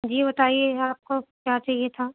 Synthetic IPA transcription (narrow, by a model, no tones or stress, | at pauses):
d͡ʒiːbɐt̪aːieaːp̚kokjaːt͡ʃaːɦiet̪ʰaː